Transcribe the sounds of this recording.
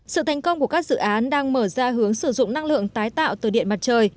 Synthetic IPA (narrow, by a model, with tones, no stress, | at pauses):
sɨ̰˧˨t̪ʰa˨˦ŋ̟kə˧wŋ͡mku˧˩əkaː˦˥k̚z̥ɨ̰˧˨ʔaː˨˦nɗaː˧ŋməː˧˩zaː˧ɦɨ˨˦əŋsɨ˧˩zʊ̰˧˨ŋ͡mna˧ŋlɨ̰˧˨əŋt̪aː˨˦jt̪a̰ː˧˨wt̪ɨː˨˩ɗḭ˧˨ənma˨˩t͡ɕəː˨˩j